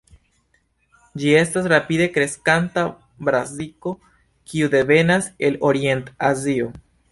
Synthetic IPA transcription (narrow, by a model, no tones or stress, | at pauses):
d͡ʒie̞stasɾapid̪e̞kɾe̞skanta | bɾaziko̞ | kiud̪e̞ve̞nase̞loɾie̞ntazio